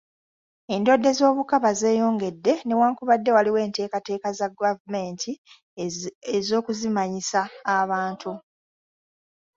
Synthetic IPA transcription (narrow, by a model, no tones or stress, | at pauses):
e̞ndo̞dːe̞zo̞ːβukaβaze̞ːjo̞ːŋɡe̞dːe̞ne̞waːŋkuβadːe̞waliwe̞ːnte̞ːkate̞ːkazaɡavume̞ːntʰi | ezo̞ːkuzimaɲisaːβaːntʰu